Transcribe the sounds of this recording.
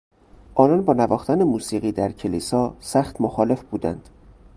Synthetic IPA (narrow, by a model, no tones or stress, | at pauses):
ʔɒːnɒːnbɒːnævɒːxt̪ʰænemuːsiːɣiːd̪æɾcʰelḭːsɒːsæxt̪moxɒːle̞fbuːd̪æ̰nd̪̥